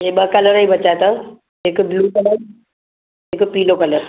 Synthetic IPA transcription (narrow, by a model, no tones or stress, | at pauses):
eɓəkɐləɾibɐt͡ʃaet̪ã | ekbluːkɐləɾ | eːkpiːlokɐləɾ